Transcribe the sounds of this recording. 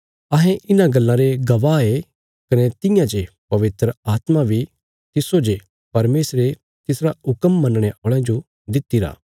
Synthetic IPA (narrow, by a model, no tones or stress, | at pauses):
ɐɦɛ̃ʔɪnãɡɐlːãɾeɡɐʋaːe | kɐnet̪ɪ̃jãd͡ʒe | pɐʋɪt̪ɾəaːt̪mabʱi | t̪ɪsod͡ʒe | pɐɾmeːsɾe | t̪ɪsɾaʊkəmːɐ̃nəɽ̃eʔoːɭãd͡ʒo | d̪ɪt̪ːiɾa̰ː